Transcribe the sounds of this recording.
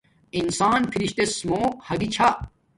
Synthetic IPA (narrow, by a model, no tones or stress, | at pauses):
insaːnpʰiɾiɕt̪esmoːkhɐɡit͡ɕʰa